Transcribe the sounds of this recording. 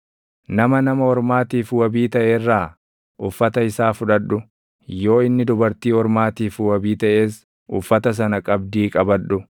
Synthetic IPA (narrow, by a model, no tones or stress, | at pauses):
nɐmɐnɐmɐhɔɾmaːt̪iːfwɐbiːt̪ɐʔeːrːaː | ʔʊfːɐt̪ɐɪsaːfʊᶑɐᶑːʊ | jo̞ːɪnːɪd̪ʊbɐɾt̪iːhɔɾmaːt̪iːfwɐbiːt̪ɐʔe̞ːs | ʊfːɐt̪ɐs̬ɐnɐkʼɐbd̪iːkʼɐbɐᶑːʊ